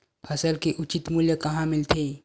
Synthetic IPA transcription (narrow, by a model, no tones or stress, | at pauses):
pʰɐsəlkeʔʊt͡ʃɪt̪muːljəkɐɦãmɪlt̪ʰeː